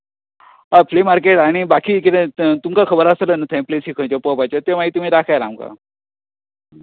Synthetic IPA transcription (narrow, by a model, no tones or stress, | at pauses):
aflemaɾkeʈaɽ̃ibakiːkit̪ẽt̪umkakʰəbəɾasələnət̪ʰə̃j̃plesikʰə̃t͡ɕopəpat͡ɕət̪emaɦit̪um̤iːd̪akʰajɾamka̰